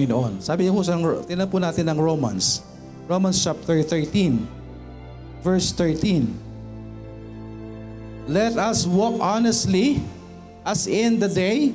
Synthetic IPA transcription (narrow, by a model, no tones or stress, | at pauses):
ɪnoʔonsaːbɪŋɐpusɐŋt̪ɪnɐpʊnaːt̪ɪnɐŋɹowmɐ̰ns | ɹowmɐnst͡ʃap̚t̪ɛɹθɛɹt̪ĩn | vɛɹst̪ɛɹt̪ĩn | lɛt̪ɐswɔkʔanɛst̪li | ʔɐsɪ̃nd̪ɐd̪ej